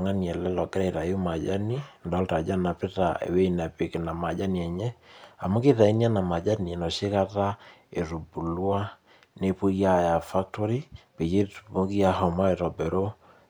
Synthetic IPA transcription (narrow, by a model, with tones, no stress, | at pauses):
ŋa˦ni˨ɛ˨lɛ˦lɔ˨ɡɛ˦ɾɛ˦˨ɾa˨ju˦ma˨d͡ʒa˦ni˦ndɔ˦lta˨d͡ʒa˦na˨pɪ˦ta˨ḛ˨we˦na˨pɪ˨ke˨na˨ma˨d͡ʒa˦ni˨ɛ˨ɲɛ˦a˨mu˦ki˦ta˨i˦nja˦na˨ma˨d͡ʒa˦ni˨e˨nɔ˨ʃe˦ka˦ta˦e˨ɾu˨bu˨lwa˦ | ne˦pu˦ja˦ja˨fa˦k̚tɔ˦ɾi˦pe˨t͡ʃe˦tpo˦ki˦a˨hɔ˨mɔ˦ɛ˨tɔ˨bɛ˨ɾo˦